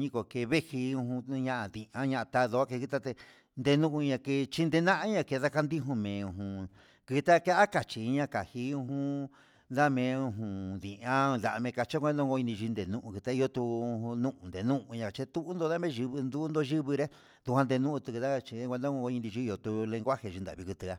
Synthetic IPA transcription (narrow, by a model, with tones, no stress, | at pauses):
ɲĩ˦ko˨ke˧βe˦hi˧ũ˧hũ˧ɲã˦ʔa˧ðĩ˨ã˦ɲã˧ʔa˧t̪a˧ðo˧a˦ke˧ki˧t̪a˦t̪e˧ | nd̪e˧nũ˦ʔũ˧ɲã˧ke˧t͡ʃi˦˧nd̪e˧nã˦ʔã˦ɲã˧ke˧ða˦˧ka˧nd̪i˦ɦũ˧mẽː˨ũ˧˨ɦũ˧ | kɨ˧t̪a˦ke˦ʔa˦ka˨t͡ʃi˨˧ɲã˧ka˨hi˧ũ˧ɦũ˧˦ | nd̪a˦mẽ˧ũ˧ɦũ˨ðĩ˨ʔã˦˧d̪a˨˧mẽ˧ka˧t͡ʃa˦kʷẽ˦˧˦õ˦˧ɡo˧i˧nĩ˧ʒi˧nd̪e˨nũ˦ʔũ˧ki˧t̪a˦i˧o˧t̪u˧ũ˧nũ˦ʔũ˧˨nd̪e˨nũ˦ʔũ˧ɲã˧ka˨t͡ʃe˧˦t̪u˦ʔnd̪o˧ða˦mẽ˦˧ʒi˧βɨ˧nd̪u˦nd̪o˧ʒi˦βɨ˧ɾe˦ | ðu˧hʷã˧nd̪e˧nũ˦ũ˧t̪u˧kɨ˧ða˦˧t͡ʃi˧˦k̪ʷd̪õ˦˧ɡo˧i˧nd̪ĩ˧ʒi˧˦˧jo˧t̪u˧lẽ˧ŋɡʷa˦he˧˨ʒu˧nd̪a̰˨βi˧ku˧t̪ɨ˧a˧